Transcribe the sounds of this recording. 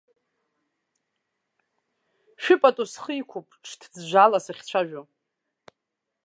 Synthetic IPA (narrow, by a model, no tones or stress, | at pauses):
ʃᶣɪpʼatʼusχəikʷʰupʼʈ͡ʂʰtʰd͡zʒʷalasaχʲt͡ɕʷʰaʒᶣo